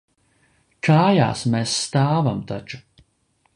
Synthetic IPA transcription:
kʰaːja̰ːsmesːt̪aːvamt̪at͡ʃu̥

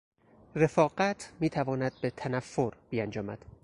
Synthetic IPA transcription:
re̞fɒːɢæt̪ʰmiːt̪ʰævɒːnæd̪̥̚be̞t̪ʰænæfːoɾbiːænd͡ʒɒːmæd̪̥

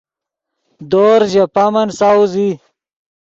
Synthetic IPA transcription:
d̪oːɾʑepamɐnsawzi

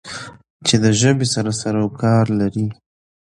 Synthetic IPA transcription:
t͡ʃed̪əʒəbesaɾasaɾawkɑɾlaɾi

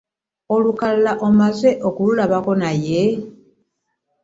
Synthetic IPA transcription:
olukallaʔomazeʔo̞kululaβako̞naje

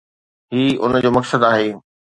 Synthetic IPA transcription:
ɦiːʊ̰nd͡ʑoːmɐksəd̪aːɦeː

